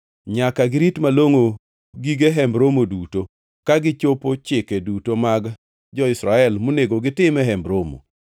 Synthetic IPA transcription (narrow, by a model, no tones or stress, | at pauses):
ɲakaɡɪɾitmaloŋo | ɡiɡeɦɛmbɾomoduto | kaɡɪt͡ʃopot͡ʃɪkɛdutomaɡ | d͡ʒɔɪsɾaɛlmoneɡoɡɪtɪmɛɦɛmbɾomo̰